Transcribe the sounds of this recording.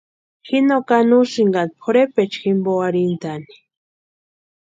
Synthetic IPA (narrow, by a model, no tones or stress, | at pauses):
xinokanusiŋɡant̪pʰoɾepet͡ʃximboaɾint̪ani̥